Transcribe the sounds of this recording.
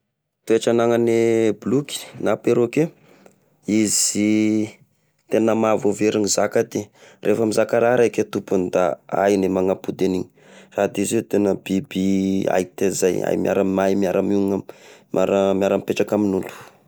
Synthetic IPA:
t̪ueʈ͡ʂanaŋənebluki̥napeɾoke | iz̥i | t̪enəmavoveɾinizakat̪erʔefamizakaɾaɾaket̪upund̪a̰a̰jnemaŋapud̪eniɲi | rad̪izet̪enəbibia̰it̪ezaja̰jmja̰ɾamajmiaɾamuŋama̰ɾəmiaɾəmpeʈ͡ʂakaminulu̥

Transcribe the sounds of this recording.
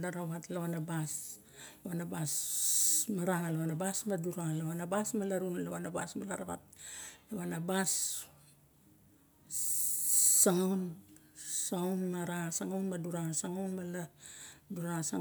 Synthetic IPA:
laɾaβatlaβanabas | laβanabas | maɾaŋalaβanabasmaduɾaŋlaβanabasmalaɾunlaβanabasmalaɾaβa̰t̚laβanabas | aŋawn | sawnmaɾasaŋawnmaduɾasaŋawnmaladuɾasa

